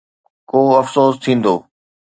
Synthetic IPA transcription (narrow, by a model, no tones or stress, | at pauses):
koːɐfsoːst̪ʰĩːnd̪oː